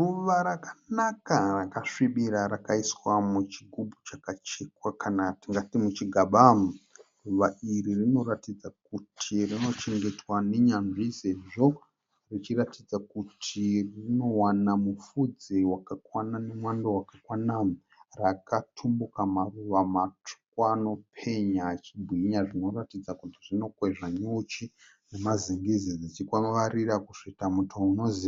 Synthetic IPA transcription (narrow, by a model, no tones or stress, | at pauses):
ruʋaɾakanakarakaʂiɓiɾaɾakaiswamut͡ʃiɡʱubʱut͡ʃakat͡ʃekwakʰanatiŋɡatimut͡ʃiɡʱaɓamruʋaʔiɾirino̞ɾatid͡zak̚utʰirino̞t͡ʃe̞ŋɡe̞twane̞ɲanʐise̞ʐo̞ | rit͡ʃiratid͡zakutʰirino̞wanamufud͡zewakakwananemwandowakakwana | rakatʰumbukamaruʋamatu̥kano̞pʰe̞ɲat͡ʃibʱwiɲaʐino̞ratid͡zakutiʐino̞kwe̞ʐaɲot͡ʃi | ne̞maziŋɡizid͡zit͡ʃikaʋarirakuʂitamutʰouno̞ziːa